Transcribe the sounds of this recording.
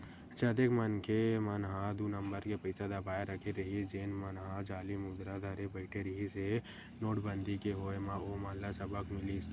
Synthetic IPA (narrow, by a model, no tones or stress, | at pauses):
t͡ʃɐd̪ekmɐnkʰemɐnɦad̪unəmbəɾkepɐɪsad̪ɐbaːeɾɐkʰeɾɐɦid͡ʒeːnmɐnɦad͡ʒaːlimʊd̪ɾad̪ʱɐɾebəɪʈʰeɾɐɦise | noːʈbə̃nd̪ikeɦoːemãomaːnlasɐbəkmɪlis